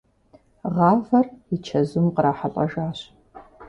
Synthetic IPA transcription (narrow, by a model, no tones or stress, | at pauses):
ʁɑːvɐrit͡ʃʰɐzʊmqəɾaːħaɬʼɐʒaːɕ